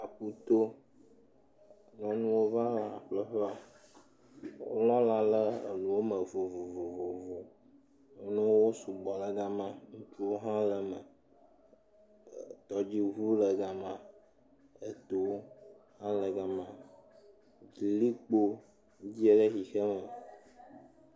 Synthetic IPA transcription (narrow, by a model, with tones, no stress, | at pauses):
a˨ɸu˦t̪o˦ | nɔ̃˨nũ˦wo˦va˦la˨ɸlə˦ɸɛ˦a˨ | wo̰˦lɔ̃˦la˨lə̰˦˨lũ˨wo˦mə˨vo˨vu˨vo˨vo˨vu˨˦ | nũ˦wwo˦su˨ɡ͡bɔ˨lə˦ɡa˦mã˦ŋũ˦t͡ʃu˦o˦ɦã˦lə˨mə̰˨ | t̪ɔ˨d͡ʑi˦ɦu˦lə˨ɡa˨mã˨ | ə˦t̪o˦ | hã˦lə˨ɡa˨mã˨ | d͡ʒi˨li˦k͡po˦ | d͡ʑi˦e˦ɖə˦xi˨xə˦mə˨